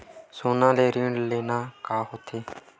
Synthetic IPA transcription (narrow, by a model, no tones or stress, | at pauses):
soːnãːleːɾiːɳɖleːnaːkaːɦoːt̪ʰeː